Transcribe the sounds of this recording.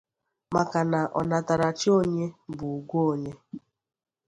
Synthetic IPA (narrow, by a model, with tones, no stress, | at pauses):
ma˨ka˨na˨ʔɔ˨na˨ta˨ɾa˨t͡ʃi˦o˦ɲe˦bʊ˨u˨ɡʷo˦o˦˨ɲe˦